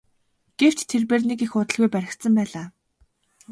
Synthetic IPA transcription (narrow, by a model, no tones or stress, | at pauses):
ɡ̥ew̥t͡ɕt̪ʰːerpeːrnekixʊːt̪ə̆ɮɣujpæɾʲɪ̆xt̪sə̆mpæːɮaː